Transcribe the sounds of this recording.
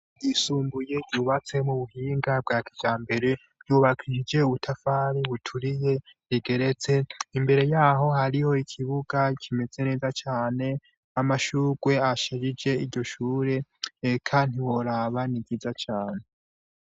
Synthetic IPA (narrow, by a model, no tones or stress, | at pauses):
ɟisuːmbuje̞ɟuːβat͡se̞muβuɦiːŋɡab̚ɡaːkivd͡ʒaːmbe̞ɾe̞̥ | ɟuːβakʰiʃid͡ʒe̞uβutʰafaːɾiβutʰuɾije̞ɾiɡe̞ɾet͡se̞imbe̞ɾe̞jaːɦo̞haɾiho̞ikʰiβuɡakʰime̞z̥e̞ne̞ːzat͡ʃaːne̞ | amaʃuːɡwe̞aʃed͡ʒid͡ʒe̞iɾɟo̞ʃuːɾe̞kʰandiwo̞ɾaβaniɡizat͡ʃaːne̞